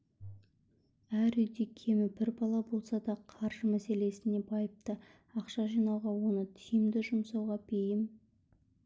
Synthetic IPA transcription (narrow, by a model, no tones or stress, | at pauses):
æɾʏjd̪e̞kʲʰe̞mɪbɪɾbɑlˠɑbo̞lˠsɑd̪ɑqʰɑɾʒ̥əmæse̞le̞sɪne̞bɑjəp̚t̪ə | ɑqʃɑʒijnɑwʁɑwo̞nət̪ʰijɪmd̪ɪʒʊmsɑwʁɑbejɪm